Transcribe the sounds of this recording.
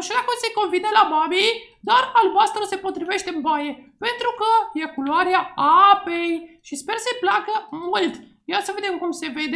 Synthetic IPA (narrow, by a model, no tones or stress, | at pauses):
ʃelakuseko̞nvinəlababid̪aralbast̪ɾəse̞po̞t̪ɾive̞ʃt̪e̞ɨmbaje̞pe̞nt̪ɾukəje̞kuloaɾeaape̞jʃispe̞rsəjplakəmult̪ | jasəve̞d̪emkumse̞ve̞d̪e